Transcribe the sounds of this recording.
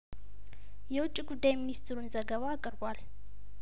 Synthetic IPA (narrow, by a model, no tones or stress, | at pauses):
jɛwʊt͡ʃʼːiɡud̪ːajminist̪ʰɾunzəɡəβaːkʼɨɾbʷal